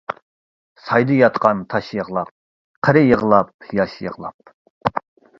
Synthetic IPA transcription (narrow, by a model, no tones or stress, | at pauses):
sɑjd̪ɨjɑt̪qɑnt̪ʰɑʃjəʁlˠɑp̚ | qʰəɾɪjəʁəlˠɑp̚jɑʃjə̰ʁlˠɑ̰p̚